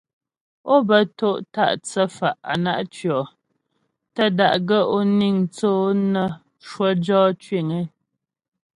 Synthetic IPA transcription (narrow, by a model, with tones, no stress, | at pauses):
o˦bə˨to˦˨ʔta̰˦ʔt͡sə˦fa˨ʔa̰˨na˦ʔt͡ʃɥɔ˨ | tə˦da̰˨ʔɡə˦ʔo˦ni˦˨ŋt͡soː˦nə˦ | ʃwə˦d͡ʒɔː˦t͡ʃɥe˦˨ŋe˦